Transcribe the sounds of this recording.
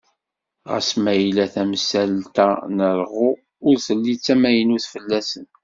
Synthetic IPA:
ʁæ̰smæjlæθæmsælt̪ænəɾʁʊ | ʊɾθəlːit͡sːæmæjənuθfəlːæsən

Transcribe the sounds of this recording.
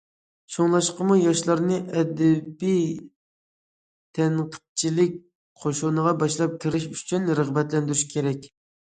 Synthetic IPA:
ʃoŋlˠɑʃqəmujɑʃlˠɑɾnɨʔɛd̪ɛbij | t̪ʰɛnt̪ʰə̥q̚t͡ʃʰilɪk̚ʲ | qʰoʃonəʁɑbɑʃlˠɑp̚kʲʰɪɾɪʃy̥t͡ʃʰynɾəʁbɛt̪lɛnd̪yɾyʃkʲʰeɾɛkʲ

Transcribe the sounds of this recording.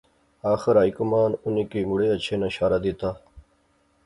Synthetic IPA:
aːxɐɾaːikumaːnunikimuɽeɐt͡ɕʰenɐɕaːɾɐd̪it̪aː

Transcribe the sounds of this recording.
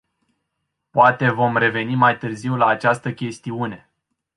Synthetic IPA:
poat̪e̞vo̞mre̞ve̞nimajt̪ɨrziwlaːt͡ʃast̪əkʲe̞st̪iune̞

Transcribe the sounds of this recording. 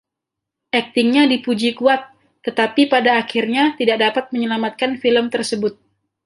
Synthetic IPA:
ʔɛk̚t̪ɪŋɲadipud͡ʒikuat̪ː | ət̪apipadaːkirɲat̪idak̚dapat̪̚məɲəlamat̪̚kanfiləmt̪ərsəbʊt̪̚

